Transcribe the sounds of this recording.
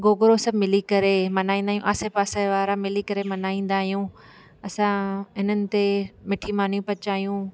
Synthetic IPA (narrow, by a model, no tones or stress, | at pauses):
ɡoːɡɾosɐbʱmɪlikɐɾemɐnaːĩːnd̪aːɦjũʔaːsepaːsaʋaːɾamɪlikɐɾemɐnaːĩːn̆d̪aːɦijũ | ɐsãɪnənɪ̆t̪emɪʈʰimaːn̤jũpɐt͡ɕaːɦijũː